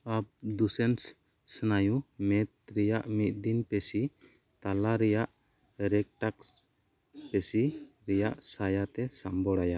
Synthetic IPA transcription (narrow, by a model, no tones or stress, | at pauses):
ap̚d̪usɛns | sənajumɛt̪̚ɾɛjaʔmit̪̚ˀd̪inpesi | t̪alaɾɛjaʔ | ɾɛk̚ʈaks | pɛsiɾɛjaʔsajat̪ɛsambɔɽaja